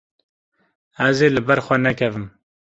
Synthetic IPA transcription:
ɛzeːlɨbɛɾxʷɛnɛkʰɛvɨm

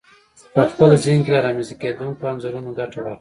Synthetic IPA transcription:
pəxpəlziŋkelaɾɑmizaked̪uŋk̚oanzoɾunoɡaʈaɽa

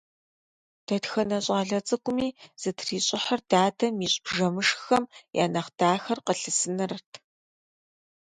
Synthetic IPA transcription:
d̥ɐtxɐnɐɕʼaːɮɐt͡sʼɨkʷʼʊmiːz̥ɨtʰriːɕʼɪħɐrdaːdɐmiːɕʼb̥ʒɐmɨʂxɐmjʔa̰ːnɐχd̥aːxɐrqəɬɨsɨnɨrɨtʰ

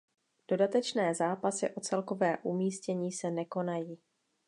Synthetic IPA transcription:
d̥o̞dat̪ɛt͡ʃnɛːzaːpasɪʔo̞t͡sɛlko̞vɛːʔumiːscɛɲiːsɛnɛko̞najiː

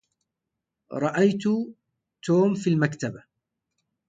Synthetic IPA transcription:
ɾˤɑʔajt̪ʊ | t̪oːmfilmakt̪aba

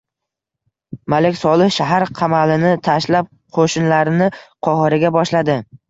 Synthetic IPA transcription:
malekʲsɒlˠɪhʃaɦaɾqʰɑmalɪnɪt̪ʰaʃlap̚ | qʰoʃɪnlaɾɪnɪqʰɒhɨɾɪɡʲabɒʃlad̪ɪ

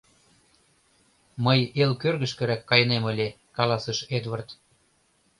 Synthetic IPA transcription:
mɤjelkørɣə̆ʃkə̆ɾækːɑjə̆nemə̆lʲe | kɑlɑsəʃed̪vɤrt̪

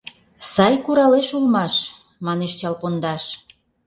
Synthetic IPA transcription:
sɑjkuɾɑleʃulmɑʃ | mɑneʃt͡ɕɑlpond̪ɑʃ

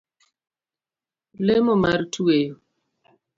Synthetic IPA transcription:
lemɔmartuejo

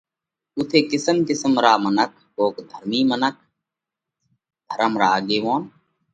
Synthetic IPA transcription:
ʊt̪ʰeːkɪsəmkɪsəmɾaːmənək̚ʰɦoːkd̪ʱəɾmiːmənək̚ʰ | d̪ʱəɾəmɾaːɠeːʋõːn

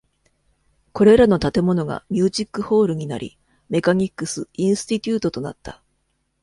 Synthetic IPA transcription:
ko̞ɾe̞ɾano̞t̪at̪e̞mo̞no̞ɡa̰mʲɨːʑikːɯ̟ho̞ːɾɯ̟ɲ̟ina̰ɾʲḭ | me̞kaɲ̟ʲikːɯ̟sɨĩɰ̃sɨ̥t̪ʲit̪ʲɨːt̪o̞t̪o̞na̰t̪ːa

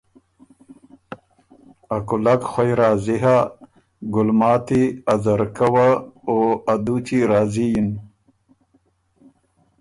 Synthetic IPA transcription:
ɐkulakxojɾaːziɦa | ɡulmaːt̪iɐzɐɾkɐwaoad̪ut͡ɕiɾaːzijin

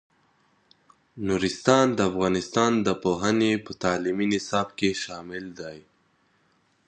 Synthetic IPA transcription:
nuɾɪst̪ɑnd̪əafɣɑnɪst̪ɑnd̪əpoɦənepət̪ɑːliminɪsɑːb̚keʃɑmɪld̪aj

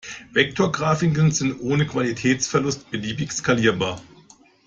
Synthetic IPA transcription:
vɛk̚tʰoɐɡʁaːfɪŋkl̩nzɪntʔoːnəkv̥alitʰɛːt͡sfɛɐlʊstb̥əliːbɪçskaliːɐbaːɐ

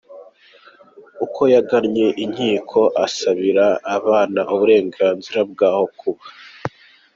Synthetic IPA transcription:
ukʰo̞jaɡaɾɲe̞ʔiɲ̥hiːkʰo̞ʔasaβiɾaːβaːnaʔuβuɾe̞ːŋɡaːnziɾab̚ɡaːho̞kʰuβa

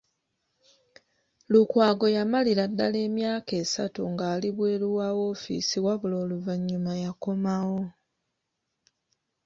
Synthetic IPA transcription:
lukwaːɡo̞jamaliɾadːale̞ːmjaːke̞ːsa̰tuŋɡaːliβweːluwawo̞fḭsiwaβulo̞ːluvaɲːumajako̞mawo̞

